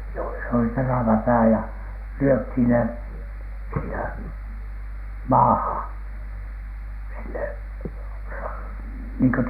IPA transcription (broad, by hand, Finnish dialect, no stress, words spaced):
joisɑ oli teræʋæ pæː jɑ lyøthiˑn ne siːnæ mɑːhɑn sinːe rɑ niːŋkø